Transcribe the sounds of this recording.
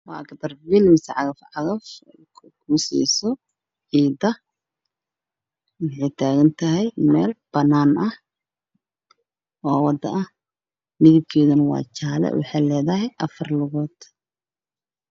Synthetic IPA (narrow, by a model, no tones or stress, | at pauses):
wɑ̰ːɐkd̪ɐrbilmɪsʕɑɣɐfʕɑɣɐf | kʰuːsḭːsɔ | ʕiːd̪ɐ | wɑħɑjt̪ʰaːɣɐnt̪ʰɐɦɛjmɛːlb̥ɐnaːnɐh | ʔɔːwɑd̪ɐʔɐh | nɪɣɪd̪kʰɛːðɐnɐwɑ̰ːt͡ʃaːlɛ̰wʔɑ̰ħɑːlɛːðɐɦɛjʔɐfɐrlʊɣɔːd̪